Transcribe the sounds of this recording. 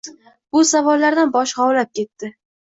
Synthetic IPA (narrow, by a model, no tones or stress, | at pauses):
bʊsavɒlːaɾd̪anbɒʃχɒwlap̚kʲʰe̞t̪ːɪ